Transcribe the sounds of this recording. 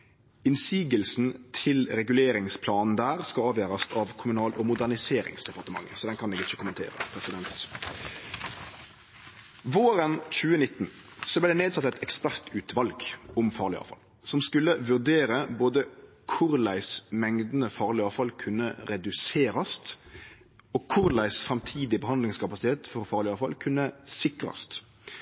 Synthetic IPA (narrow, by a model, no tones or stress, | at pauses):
ɪnsiːɡəlsn̩t̪ʰɪlɾɛɡʉleːɾɪŋspʰlɑːnn̩d̪æːʁskɑɑːʋjøːʁɑst̪ɑʋkʰʊmʉnɑːlɔmʊd̪æʁnɪseːɾɪ̰ŋsd̪ɛpɑʁt̪əmɑ̰ŋːə̰sɔd̪ɛnkʰɑnɛːɡɪt͡ʃːəkʊmənt̪ʰḛːɾə̰pʰɾɛsɪd̪ɛnt̪ | ʋoːɾənc͡çʉːənɪt̪ːn̩ | sɔblæɪd̪ɛneːd̪sɑt̪ːɛt̪ɛkspæʁt̪ʉːt̪ʰʋɑlɡʊmfɑ̰ːʁɭɪ̰ɑ̰ːʋfɑ̰l | sɔmskʉlːəʋʉʁd̪eːɾəboːd̪ə | kʰʊɾlæɪsmɛŋd̪n̩əfɑːʁlɪɑːʋfɑlkʰʉnːəɾɛd̪ʉseːɾɑst̪ | ɔːkʰʊɾlæɪsfʁɛmt̪ʰiːd̪ɪbəhɑnd̪lɪŋskɑpɑsɪt̪ʰeːt̪fɔɾfɑːʁlɪɑːfɑlkʰʉnːəsɪkɾɑ̰st̪